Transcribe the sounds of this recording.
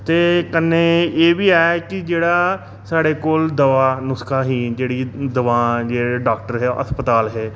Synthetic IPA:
t̪eːkənːeːeːʋiːaːekɪd͡ʒeːɽaː | saːɽeːkoːld̪əʋaːnʊskʰaːɦiːd͡ʒeːɽiːd̪əʋãːd͡ʒeːɖaːk̚ʈəɾɦɛːʔə̰t̪pət̪aːlɦɛː

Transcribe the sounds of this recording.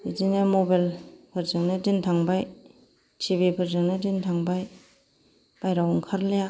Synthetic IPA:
idinemobalpʰɯɾzɯŋnɯdintʰaŋbaj | tʰiβipʰɯɾzɯŋnɯdintʰaŋbaj | b̥ajɾawɔŋkʰaɾleja

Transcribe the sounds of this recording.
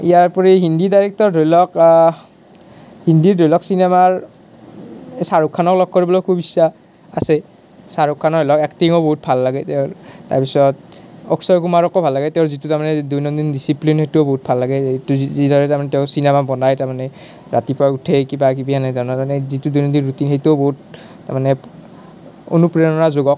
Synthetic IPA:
ijaɹpɔɹiɦindidaɹɛk̚tɔɹdʱojlɔk | hindiɹdʱɔjlɔksinemaɹ | saɹukʰːanɔklɔk̚koɹibɔlɔkʰubisːa | asɛ | saɹukʰːanɔɔlɔkɛktiŋɔboɦut̚bʱalːaɡɛtɛʊta̰ɹpisɔt̚ɔksɔjkumaɹɔkɔbʱalːaɡɛteʊzitutaɹmanɛdujnɔdindisiplinxetuboɦut̚bʱalːaɡɛuzidʱɔɹɛtaɹmanɛteʊsinɛmabɔnajtaɹmanɛ | ɹa̰tipɹautʰɛkibak̬ibijanajtaɹnamanɛzitudujnɔndinɹutinxejtoboɦut | ta̰manɛ | o̰nupɹɛnɔɹazoɡɔk̚

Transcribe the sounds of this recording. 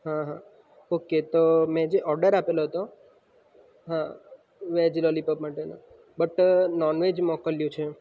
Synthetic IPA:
ɦãɦã | oket̪omɛ̃d͡ʒeʔɔɾɖəɾapeloɦət̪o | ɦã | ʋɛd͡ʒilolipəpmaʈena̰ | bəʈnɔnʋed͡ʒmɔkəljũt͡ʃʰe

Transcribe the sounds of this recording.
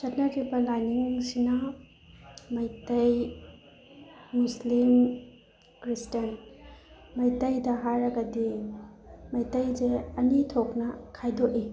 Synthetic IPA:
sɐtnɐtibɐlajniŋsinɐ | mɐjtɐj | muslim | kɾistɐn | mɐjtɐjdɐɦaɾɐɡɐdi | mɐjtɐjzeɐnitʰoknɐkʰajdoʔi

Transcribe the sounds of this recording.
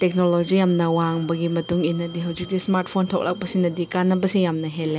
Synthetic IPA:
tek̚nolod͡ʒijamnɐwaŋbɐɡimɐtuŋinɐdiɦɐwd͡ʒik̚dismaɾt̚pʰontʰok̚lʔa̰k̚pɐsinɐdikanːɐbɐsijamnɐɦelːe

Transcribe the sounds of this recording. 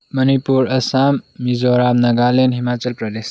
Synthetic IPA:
mɐnipuɾɐsamːizɔɾamnɐɡalenɦimat͡ʃəlpɾɐd̪es

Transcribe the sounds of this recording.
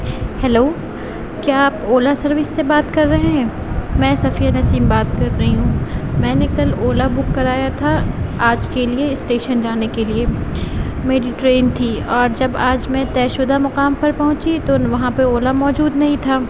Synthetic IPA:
hɛloː | kjaaːpoːlasɐɾʋɪsːebaːt̪kɐɾːɐɦẽɦɛ̃ː | mɛ̃ːsɐfiːanɐsiːmbaːt̪kɐɾːɐɦiɦũmɛ̃ːnɪkɐloːlabʊkːɐɾaːjat̪ʰaaːd͡ʒkelieɪsʈeːʃənd͡ʒaːnekelie | meːɖiʈɾeːnt̪ʰiɔːɾd͡ʒɐbaːd͡ʒmẽt̪ɛːʃʊd̪amɐqaːmpɐɾpɐɦʊ̃t͡ʃit̪oʋɐɦãpeoːlamɔːd͡ʒuːd̪nɐɦĩt̪ʰaː

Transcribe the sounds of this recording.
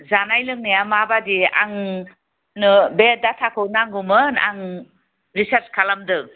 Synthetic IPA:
zanajlɯŋnijamabadia̰ŋ | nɯbedatʰakʰɯwnaŋɡumɯna̰ŋ | ɾisaɾt͡ʃkʰalamdɯ

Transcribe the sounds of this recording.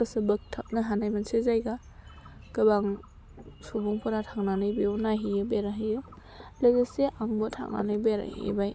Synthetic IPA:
ɯsɯbɯk̚tʰap̚nɯɦanajmansezajɡa | kɯbaŋ | subuŋpʰɔnatʰaŋnanɯjbeunaɦijɯbeɾaɦijɯ | lɯɡeseʔaŋbɔtʰa̰ŋna̰nɯjbeɾa̰hḭj̰baj

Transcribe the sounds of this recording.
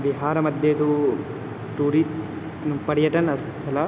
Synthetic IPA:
ʋiɦaːɾɐmɐd̪jeɐd̪u | ʈuːɾi | npɐɾijɐʈɐnɐst̪ʰɐlɐ

